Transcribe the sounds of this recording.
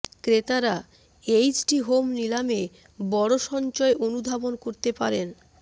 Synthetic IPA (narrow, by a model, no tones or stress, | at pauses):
kɾet̪aɾa | ejd͡ʑʈiɦomnilame | bɔɽoʃɔnt͡ɕɔeʔonud̪ʱabonkoɾt̪epaɾen